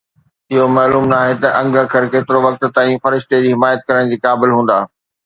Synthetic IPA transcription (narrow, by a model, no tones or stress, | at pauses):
ɪɦomɐːluːmnaːɦet̪ɐʔɐ̃ŋɡʱə̆kʰɐɾkeːt̪ɪɾoʋɐk̚t̪̆t̪aːĩfɐɾɪʃt̪ed͡ʑiːɦɪmaːjət̪̚kɐɾəɽ̃d͡ʑiːkaːbɪlɦũːnd̪aː